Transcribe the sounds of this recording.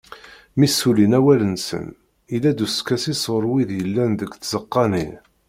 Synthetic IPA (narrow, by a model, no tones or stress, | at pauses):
misːulinæwælənsə̰n | ilæd̪uskæsisˤoɾˤwiðjəlːænðəɡθzəqːɑni